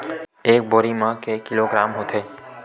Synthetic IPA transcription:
eːk̚boːɾimə̃kekːɪloɡɾaːmɦot̪ʰeː

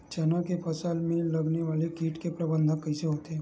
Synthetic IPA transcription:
t͡ʃɐnakepʰɐsaːlmẽlɐɡneʋaːlekiːʈkepɾɐbə̃nd̪ʱə̃kːɐiseɦoːt̪eɦɛ̃

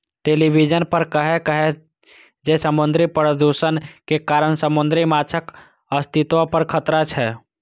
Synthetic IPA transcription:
ʈelibid͡ʒənpəɾkəɦekəɦe | d͡ʒesəmʊnd̪ɾipɾəd̪usənkekaɾənsəmʊnd̪ɾimat͡ʃʰək | əst̪ʰit̪ʋõpəɾkʰət̪ɾat͡ʃʰɛ

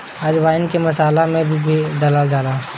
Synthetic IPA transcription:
ad͡ʒʋaːɪnkemɐsaːlamẽbʱibʱiɖəlad͡ʒaːlaː

